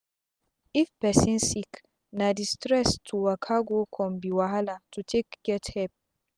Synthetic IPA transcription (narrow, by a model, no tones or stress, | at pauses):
ifpɛsĩnsik | nadistɾɛstʰuwakʰaɡokʰɔ̃mbiwaɦalatutʰekɡ̥ɛthɛp̚